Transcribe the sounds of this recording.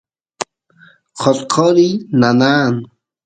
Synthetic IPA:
qʰɔtqʰɔɾinanaːn

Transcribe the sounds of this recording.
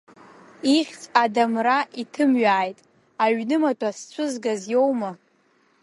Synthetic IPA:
iχʲt͡sʼadamraʔitʰɨmɥaːjtʼ | aɥnɨmatʷʰʼast͡sʷʰʊzɡazjo̞wma

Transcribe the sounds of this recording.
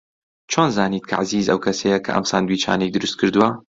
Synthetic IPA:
t͡ʃʰoːnzaːniːt̪̚kʰɐ̰ʕaziːzɐwkʰɐsɐjɐkʰɐ̰ʔɐ̰msa̰ːnd̪wiːt͡ʃʰa̰ːnejd̪ɨɾɨst̪̚kʰɨɾd̪uwɐ

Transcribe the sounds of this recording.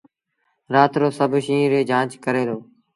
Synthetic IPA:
ɾaːt̪ɾoːsəbʱʃĩːɾeːd͡ʒãːt͡ʃkəɾeːloː

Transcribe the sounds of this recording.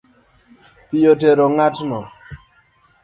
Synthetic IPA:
pɪjoteɾoŋatnɔ

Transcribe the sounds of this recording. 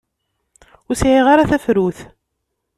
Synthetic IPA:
ʊɾsʕiʁaɾaθæfɾuθ

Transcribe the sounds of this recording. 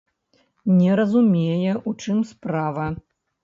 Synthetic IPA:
nʲɛɾɐzumʲejɛut͡ʂɨmspɾavɐ

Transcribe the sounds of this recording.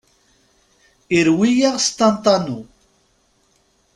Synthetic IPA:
iɾwijaʁst̪ɑnt̪ˤɑnu

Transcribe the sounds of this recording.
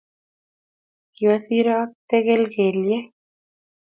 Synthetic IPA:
kiwaθiɾoak̚t̪eɣelɣelje

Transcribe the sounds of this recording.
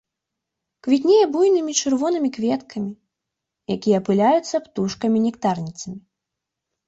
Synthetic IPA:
kvʲit̪ʲnʲejɛbujnɨmʲit͡ʂɨrvɔnɨmʲikvʲɛt̪kʰɐmʲi | jakʲijɐpɨlʲajut̪sːɐpt̪uʂkɐmʲinʲɛkt̪arnʲit̪sɐmʲi

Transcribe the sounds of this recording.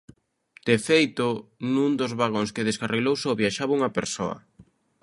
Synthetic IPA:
d̪̥efejt̪ʊnũnd̪ozβaɣoŋskeðeskarʔeɣlowsoβjaʃaβuŋɐpeɾso̰ɐ̰

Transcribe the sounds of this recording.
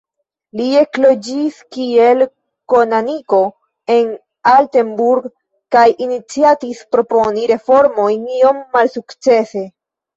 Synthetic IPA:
lie̞klo̞d͡ʒiskie̞l | ko̞naniko̞ | e̞n | alte̞mbuɾɡ | kajinit͡siatispɾo̞po̞niɾe̞fo̞ɾmo̞jnio̞mːalsukt͡se̞se̞

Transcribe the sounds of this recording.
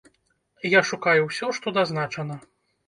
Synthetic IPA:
jaʂukajuwsʲɔʂt̪ɔd̪aznat͡ʂɐnɐ

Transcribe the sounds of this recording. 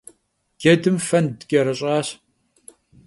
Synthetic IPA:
ɡ̥ʲɐdɨmfɐndkʲʼɐɾɐɕʼaːɕ

